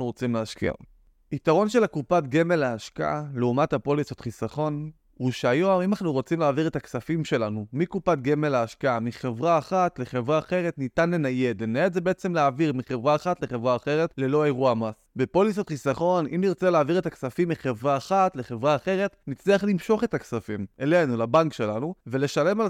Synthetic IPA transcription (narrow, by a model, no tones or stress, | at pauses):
uʁot͡simleaʃkḭa̰ | ʔitaʁo̞nʃe̞lakupatɡemelaːʃka̰ʔaleumathapo̞lisotχisaχo̞n | huʃeajo̞mimanaχnuʁo̞t͡simleːviʁe̞taksafimʃe̞lanumikupatɡemelaːʃkaamiχe̞vʁaːχatleχe̞vʁaːχe̞ʁetnitanlenaje̞d̪lenaedzebeet͡se̞mleaːviʁmiχe̞vʁaːχatleχe̞vʁaːχe̞ʁe̞tle̞lo̞eʁuamasbepo̞lisotχisaχo̞nʔimniʁt͡seleaːviʁe̞taksafimːiχevʁaːχatle̞χe̞vʁaːχe̞ʁe̞tnit͡sliaχlimʃo̞χe̞taksafime̞le̞jnulabankʃe̞lanuvele̞ʃale̞ma